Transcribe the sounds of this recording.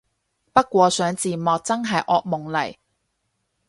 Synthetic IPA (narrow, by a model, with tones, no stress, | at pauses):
pɐ˥t̚kʷɔː˧sœː˨˥ŋt͡siː˨˩mɔː˨k̚t͡sɐ˥ŋɦɐ˨jʔɔː˧k̚mʊ˨˩ŋlɐ̰˨˩j